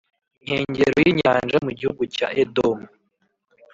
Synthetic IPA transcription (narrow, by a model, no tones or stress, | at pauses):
iɲ̥heːɲɟeɾojiɲaːnʒamuɟihuɡuca̰ʔedomu